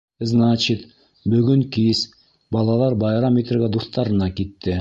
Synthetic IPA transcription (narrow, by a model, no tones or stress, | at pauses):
znat͡ɕit̪ | bɵɡɵŋkis | bɑlˠɑlˠɑɾbɑjɾɑmʲet̪rɡʲæd̪uθt̪ɑɾɤ̆nɑkit̪ːɘ